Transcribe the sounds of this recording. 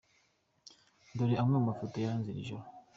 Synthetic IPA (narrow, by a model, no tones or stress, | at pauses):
d̪oɾiamumafotojaanzilḭʒɔ